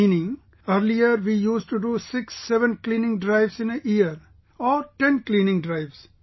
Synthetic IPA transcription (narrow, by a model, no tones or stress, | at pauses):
iːnɪ̃ŋ | əɾliəɾʋiːjuːsʈuɖusɪksːɛʋə̃nklĩːnɪ̃ŋɖɾaɪʋsɪ̃neʔiəɾ | ɔːɾʈẽnklĩːnɪ̃ŋɖɾaɪʋs